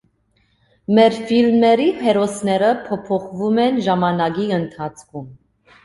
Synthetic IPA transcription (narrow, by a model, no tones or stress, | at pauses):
mɛɾfilmɛɾiɦɛɾɔsnɛɾəpʰɔpʰɔχvumɛnʒɑmɑnɑɡiənt̪ʰɑt͡sʰkʰum